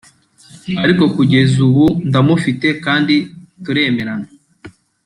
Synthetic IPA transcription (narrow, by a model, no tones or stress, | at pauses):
aɾiko̞kuɟe̞zuβundamufite̞kaːndituɾe̞ːme̞ɾana